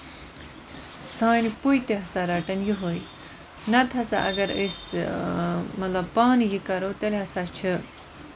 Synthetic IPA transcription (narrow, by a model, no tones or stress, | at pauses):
sãːnipujt̪eɦɐsaɾɐʈɐnjiɦoj | nɐt̪ʰɐsa̰ʔɐ̰ɡɐɾes | mɐt̪lɐb̚paːnijikɐɾoːt̪eleɦɐsat͡ʃʰɨ